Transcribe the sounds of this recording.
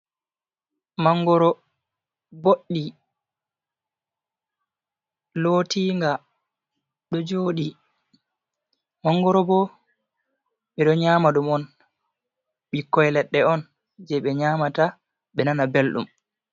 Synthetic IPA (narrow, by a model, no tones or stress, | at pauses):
maŋɡɔɾɔ | boɗːi | loːtiːŋɡa | ɗɔd͡ʒoːɗi | maŋɡɔɾɔbɔ | ɓɛɗɔɲaːmaɗumɔn | ɓikːɔjlɛɗːɛɔn | d͡ʒɛɓɛɲaːmata | ɓɛnanabelɗṵm